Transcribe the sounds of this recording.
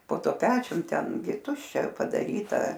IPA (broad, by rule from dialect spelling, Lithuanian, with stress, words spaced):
poː ˈtuɔ ˈpʲæːt͡ʃʲʊm ˈtʲɛn ɡʲɪ ˈtʊʃʲt͡ʃʲɛ pɐdɐˈrʲiːtɐ